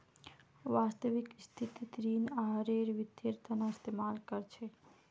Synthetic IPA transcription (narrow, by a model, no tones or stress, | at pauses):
ʋast̪əʋikst̪ʰit̪it̪ɾinaɦɾeɾʋid̪eɾt̪ʰənaist̪emalkəɾt͡ʃʰɛ